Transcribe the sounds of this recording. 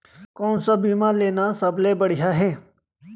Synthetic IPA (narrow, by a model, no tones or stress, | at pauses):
kɔːnsabiːmãleːnasəbleːbəɽɪjaːɦɛː